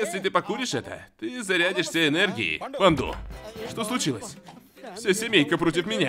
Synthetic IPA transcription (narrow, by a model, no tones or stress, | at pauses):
jesʲlʲɪt̪̬ɨpɐkuɾʲɪʂɛt̪ə̰t̪ɨzɐɾʲædʲɪʂsʲaɪnɛrɡʲɪ̰ɪ̰vɐnd̪ṵʂt̪o̞slˠʊt͡ɕilˠəsʲ | fsʲasʲɪmʲejkəpɾo̞t̬ʲɪfmʲɪnʲa̰